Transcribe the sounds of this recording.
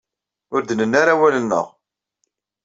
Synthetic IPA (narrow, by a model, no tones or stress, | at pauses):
ʊɾd̪ənənːaɾawælənːə̰ʁ